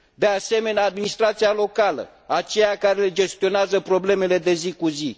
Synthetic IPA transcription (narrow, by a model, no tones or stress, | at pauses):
d̪e̞ase̞me̞nead̪minist̪ɾat̪sijalo̞kalə̰ | at͡ʃe̞jakaɾe̞led͡ʒe̞st̪io̞neazəpɾo̞ble̞me̞le̞d̪e̞zikuzi